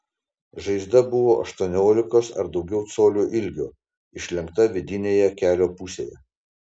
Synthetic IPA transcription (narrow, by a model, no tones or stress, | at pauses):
ʒɐɪzd̪ɐbʊʋoːʔɐʃt̪uɔnʲoːlʲɪkoːsɐ̰ɾd̪ɒʊɡʲɛʊt̪soːlʲuːʔɪlʲɡʲoː | ɪʃʲlʲɛŋkt̪ɐʋʲɪd̪ʲɪnʲeːjɛkʲæːlʲoːpʊsʲḛːjɛ̰